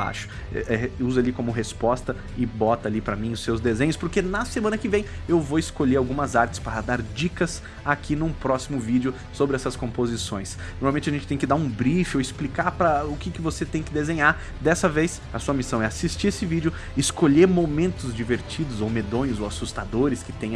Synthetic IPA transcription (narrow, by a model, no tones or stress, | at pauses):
a̰ʃʊ̥ | ɛ̰ɛuzɐalikõmʊɦespɔst̪ɐ | ɪbɔt̪ɐalipɾɐmĩʊsːewzd̪ezẽɲ̃ʊspʊɾkenɐsemɐ̃nɐkɪvẽj̃ewvowɪskoʎeɾawɡũmɐzaɾt͡ʃɪ̥spaɾɐd̪aɾd͡ʒikɐs | akʰinũpɾɔsimʊvid͡ʒɪʊ | sobɾɪɛsɐskõpozisõj̃s | noɾmawmẽnt͡ʃɐʒẽnt͡ʃɪt̪ẽj̃kɪd̪aɾũbɾifɪowɪsplikaɾpɾɐʊkɪkɪvoset̪ẽj̃kɪd̪ezẽɲaɾ | d̪ɛsɐvejs | ɐsuɐmisɐ̃w̃ɛasist͡ʃiɾesɪvid͡ʒʊ | ɪskoʎeɾmomẽnt̪ʊzd͡ʒiveɾt͡ʃid̪ʊzowmed̪õɲʊzowasust̪ad̪oɾɪskɪ̥t̪ẽj̃